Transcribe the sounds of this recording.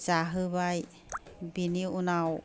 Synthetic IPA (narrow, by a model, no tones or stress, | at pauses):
saɦɯβaj | biniunaw